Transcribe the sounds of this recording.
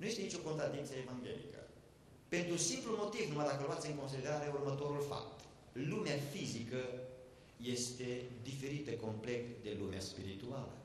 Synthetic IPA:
nuje̞st̪eait͡ʃʲo̞ko̞nt̪ɾad̪int̪səevaŋɡʲe̞̰lḭkə̰ | pe̞nt̪ɾusimplumo̞t̪ivnumajd̪akəloat̪sɨŋko̞ns̬id̪e̞ɾaɾeurmət̪o̞ɾulfa̰p̚t̪ | lumeafizikə | je̞st̪e̞d̪ife̞ɾit̪əko̞mple̞kt̪d̪e̞lumea̰spiɾit̪ua̰lə̰

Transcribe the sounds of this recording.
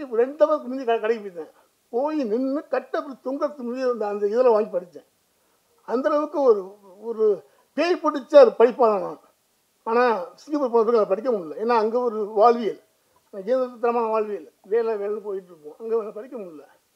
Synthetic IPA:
ɾɛɳɖɐʋɐk̬ːɯmɪnd͡ʒ̪ikɐkɐɽɐɪkɐpoːt̪ːɛ̃ | poːjinɪnːɯkɐʈːɐpːɾt̪ʊŋɡɐt̪ːɯmɪnind̪ːnd̪ɐɪðɐlɐ̃ʋaːŋɡipɐɽɯt͡ʃːɛ̃ | ɐnd̪ɐlɐʋɯkːɯɔɾɯɔɾɯ | peːjpɐɽɯt͡ʃːaɔɾɯpɐɽɪpːaːlɐlãː | aːnaːsɪŋɡipːɾp̬ːoːnɐpːɾlɐp̬ɐɽɪk̬ʲːɐmʊɽɪlɐeːnːaːɐŋɡeːɔɾɯʋaːɭʋɪjɪl | jeːnd̪ɐtːɐt̪ːɐɾɐmaːnɐʋaːɻʋɪjɪlʋeːlɛʋeːlɐnɯ̃poːjɪʈːɪɾɯkːõːɐŋɡelːɐpɐɽɪkʲːɐmʊɽɪlːɐ

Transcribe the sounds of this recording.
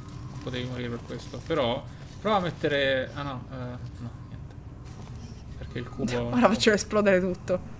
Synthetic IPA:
pot̪eːvimoɾiːɾeperkwest̪opeɾɔ | pɾɔamːet̪ːeɾeanɔnɔnjɛnt̪e̥ | perk̟eilkuːbooɾafat͡ʃːevoesplɔːd̪eɾet̪ut̪ːo

